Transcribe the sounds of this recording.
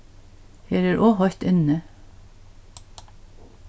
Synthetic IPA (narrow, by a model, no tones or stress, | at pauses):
heːɾæːɾʔoːhɔɾt̪ʏnə